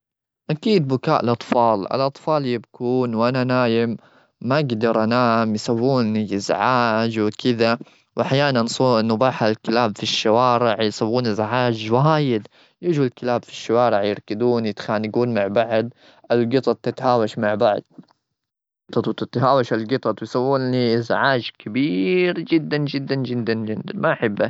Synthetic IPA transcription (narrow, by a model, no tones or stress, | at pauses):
ʔakiːd̪̚bʊkaːʔlʔɑt̪ˤfɑːlɪ̰lʔɑt̪ˤfɑːljɪbkuːnwʔananaːjɪmː | aʔaɡd̪ɑɾˤʔanaːmjsawːuːnɪzʕaːd͡ʒwɪkʰɪða | wɪħjaːnansˤunːʊbaːħalkɪlaːbfiʃːawaːɾɪʕjɪsawːuːnɪzʕaːd͡ʒwaɦaːjɪd̪ | jɪd͡ʒlkɪlaːbfi̥ʃːawɑːɾɪʕjɪɾkɪd̪uːnjɪt̪xaːnɪɡuːnmaʕbaʕd̪̚ | ʔalɡɨt̪ˤɑt̪̚ˤt̪ːɪt̪haːwaʃmaʕbaʕd̪̚ | t̪ˤɑt̪ˤwt̪ɪt̪ɦaːwaʃalɡɨt̪ˤɑt̪ˤwjsawːuːniʔɪzʕaːd͡ʒkabiːɾd͡ʒɪd̪ːand͡ʒɪd̪ːand͡ʒɪd̪ːand͡ʒɪd̪anmaʔħɪbːa